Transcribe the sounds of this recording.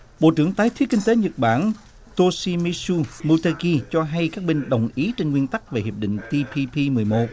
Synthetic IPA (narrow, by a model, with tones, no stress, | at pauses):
ɓo̰˧˨t͡ɕɨ̰˧˩əŋt̪aː˨˦jt̪ʰi˦əkï˧ŋ̟t̪e˨˦ɲə˨˩t̚ɓa̰ː˧˩n | t̪o˧si˧mi˧su˧mu˧t̪a˧ki˧t͡ɕɔ˧ɦa˧jkaː˦˥k̚ɓe˧ŋɗə˨˩wŋ͡mʔi˨˦t͡ɕe˧nŋwi˧ənt̪a˦˥k̚ve˨˩hi˨˩əp̚ɗḭ̈˧˨ŋ̟t̪i˧pʰi˧pʰi˧mɨ˨˩əjmo˨˩t̚